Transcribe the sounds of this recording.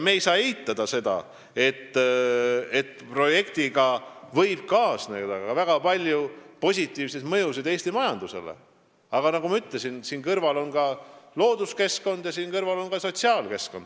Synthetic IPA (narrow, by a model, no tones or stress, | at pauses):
meːjsɑːejt̪ːˑɑd̪̥ɑse̞d̪̥ɑ̰ | e̞t̪ː | e̞t̪pro̞je̞kt̪iɡɑvɤ̞jb̥̚kɑːsnḛd̪ɑɑvæɡ̥ɑpɑlʲjupo̞sʲit̪ːˑiːvsed̪̥mɤjus̬id̪e̞ːst̪imɑjɑnd̪̥use̞̰lḛ | ɑɡ̥ɑnɑɡumɑyt̪ːˑle̞sinsiːnkɤrvɑlo̞nɡɑlo̞ːd̪uske̞sko̞nd̪jɑsiːnkɤrvɑlo̞nkɑso̞t̪siɑːlke̞sko̞nd̪̥